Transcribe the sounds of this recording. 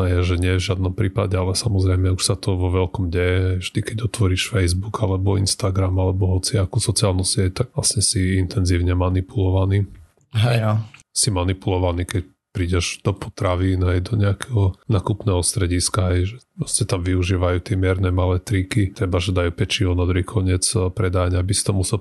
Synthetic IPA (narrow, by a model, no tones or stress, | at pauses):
ajɛʒɛɲɪɛɛvʒɪad̪nɔmpɾiːpaɟɛalɛsamɔzɾɛɪmɛuʃsat̪ɔʋɔʋɛlkɔmɟɛjɛɦɛjvʒd̪ikɛɟɔt̪ʋɔɾiʃfɛjzbuɡalɛbɔḭnst̪aɡɾamalɛbɔɦɔt͡siakusɔt͡sialnusɪɛc̚t̪aɡ̥ʋlasɲɛsiint̪ɛnziːʊɲɛmanipulɔʋaniː | ɦɛasimanipulɔʋaniːkɛc | pɾiːɟɛʒd̪̥ɔpɔ̥t̪ɾaʋiːnɦɛjd̪ɔɲɛakɛɦɔnaːkupnɛːɦɔst̪ɾɛɟiskaɦɛjʒɛpɾɔscɛt̪amʋiuʒiːʋajuːt̪ɪɛmɪɛɾnɛmalɛːt̪ɾikit̪ɾɛbaʒɛd̪ajuːpɛt͡ʃiɔnad̪ɾuɦikʰɔɲɪɛt͡spɾɛd̪aɲabisi̥t̪ɔmusɛl